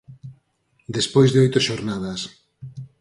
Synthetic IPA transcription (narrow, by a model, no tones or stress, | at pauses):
d̪espojzðeojt̪oʃoɾnað̞as